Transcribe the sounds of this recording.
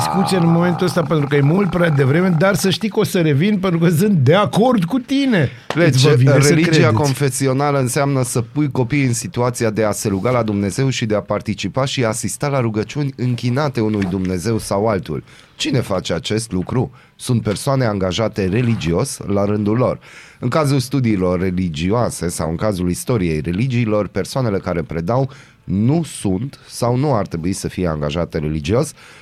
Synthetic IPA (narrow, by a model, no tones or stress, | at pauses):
iskut̪sienmo̞me̞nt̪uəst̪ape̞nt̪ɾukəjemult̪̚pɾead̪e̞vɾe̞me̞d̪arsəʃt̪ijkosəɾe̞vinpent̪ɾukəs̬ɨnt̪̚d̪e̞ako̞rd̪kut̪ine̞ | let͡ʃvireliɾd͡ʒiako̞nfe̞sio̞naləɨnseamnəsəpujko̞pijɨnsit̪uat̪sijad̪e̞ase̞ɾuɡalad̪umne̞ze̞wʃid̪e̞apart̪it͡ʃipaʃiaːsist̪alaɾuɡət͡ʃunʲɨŋkʲinat̪e̞unujd̪umne̞ze̞wsawalt̪ṵl | t͡ʃine̞fat͡ʃe̞at͡ʃe̞st̪lukɾu | sunt̪̚pe̞rsoane̞aŋɡaʒat̪e̞re̞lid͡ʒio̞slaɾɨnd̪ulːo̞r | ɨŋkazulst̪ud̪iːlo̞rːe̞lid͡ʒioase̞sa̰wɨŋkazulist̪o̞ɾije̞jre̞lid͡ʒiːlo̞rpe̞rsoane̞le̞kaɾe̞pɾe̞d̪aw | nusunt̪sawnuart̪ɾebuisəfije̞a̰ŋɡaʒat̪e̞ɾe̞lid͡ʒio̞s